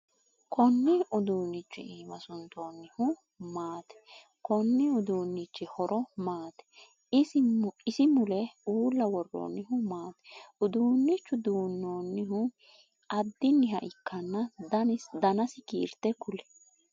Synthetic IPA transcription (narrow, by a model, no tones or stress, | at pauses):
kʰɔnːɪʊd̪uːnːɪt͡ʃːʊ̰iːmɐsʊnt̪oːnːɪhʊ | maːt̪ɛ̥ | kɔnːɪʊd̪uːnːɪt͡ʃːɪhɔɾɔmaːt̪ɛ̥ | ɪsɪɪsɪmʊlɛuːlːɐwɔrːo̰nːɪhʊmaːt̪ɛ̥ʊd̪uːnːɪt͡ʃːʊd̪uːnːoːnːɪhʊ | ɐd̪ːɪnɪɦɐ̰ʔɪkːɐnːɐɐnɪd̪ɐnɐsɪkḭːɾt̪ɛkʊlɛ̥